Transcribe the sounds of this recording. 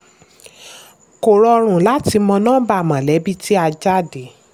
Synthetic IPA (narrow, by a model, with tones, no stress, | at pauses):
ko˨ɾɔ˧ɾ̃ũ˨la˨˦ti˧mɔ̃˧nãː˦ba˧a˨mã˨lɛ˨˦bi˦ti˦a˧d͡ʒa˦˨de˨˦